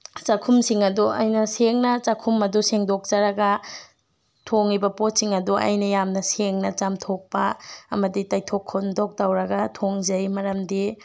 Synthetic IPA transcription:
t͡ʃɐkʰumsiŋɐduʔɐ̰jnɐseŋnɐt͡ʃɐkʰumɐduseŋdok̚d͡ʒɐɾɐɡɐ | tʰoŋibɐpot̚siŋɐduʔɐ̰jnɐjamnɐseŋnɐt͡ʃamtʰok̚pɐɐmɐditajtʰokʰːondok̚tawɾɐɡɐtʰoŋzɐjmɐɾɐmdi

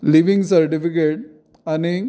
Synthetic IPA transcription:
liʋĩŋɡsɐɾʈifikeʈ̚ | ani

